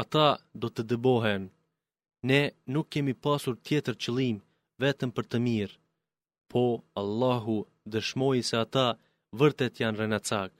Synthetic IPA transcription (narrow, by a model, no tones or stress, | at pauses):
at̪ad̪ɔt̪əd̪əbɔɦɛn | nɛnukːɛmipasuɾt̪jɛt̪əɾt͡ɕəlˠim | vɛt̪əmpəɾt̪əmiɾ | pʰɔalˠːaɦu | d̪əʃmɔjsɛat̪a | vəɾt̪ɛt̪janrɛnat͡sak